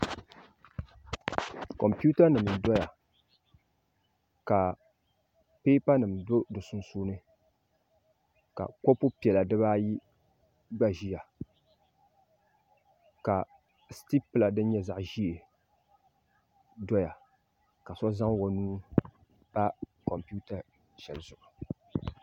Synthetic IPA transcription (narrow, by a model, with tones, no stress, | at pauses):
kɔ˨mpu˦ta˦nɨ˨m˨dɔ˦ja˨ | ka˨ | pe˦pa˦nɨ˨mdo˦dɨ˨sʊ˦n˦suː˦nɨ˦ | ka̰˨kɔ˦pu˦pi˨ɛ˨la˨dɨ˦βaː˦ji˦ | ɡ͡ba˦ʒi˦ja˨ | ka˨ | sti˦pɨ˦˨la˨dɨ˦n˦ɲɛ˦za˨ʔʒi˦e˨ | dɔ˦ja˨ | ka˨sɔ˦za˦ŋ˦wɔ˨nuː˦ | pa˦kɔ˨mpi˦u˦ta˨ | ʃɛ˨lzʊ˨ʔʊ˨